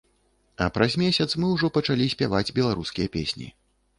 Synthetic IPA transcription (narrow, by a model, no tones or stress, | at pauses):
ɐ̰pɾɐzʲmʲesʲɐt̪smɨwʐɔpɐt͡ʂalʲisʲpʲavad͡zʲbʲɛlˠaɾuskʲijɐpʲesʲnʲḭ